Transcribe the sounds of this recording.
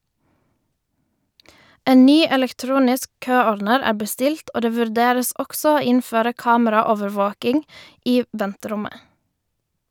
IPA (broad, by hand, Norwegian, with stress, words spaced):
ˈeː ˈnyː ɛlɛkˈtɾuːnɪsk ˈkøːɔɾdnəɾ ˈæː bəˈstɪlt ˈoː ˈdeː ʋʉɾˈdeːɾəs ˈɔks ˈoː ˈɪnføːɾə ˈkɑːməɾɑˌoːʋəɾˌʋoːkɪŋ ˈiː ˈʋɛntəˌɾʊmə